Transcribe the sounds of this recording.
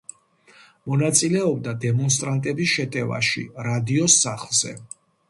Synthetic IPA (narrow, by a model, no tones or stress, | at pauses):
mɔnat̪sʼilɛɔb̚d̪ad̪ɛmɔns̬t̪ʼɾant̪ʼɛbisʃɛt̪ʼɛva̰ʃḭɾad̪iɔsːaχlˠz̥ɛ̰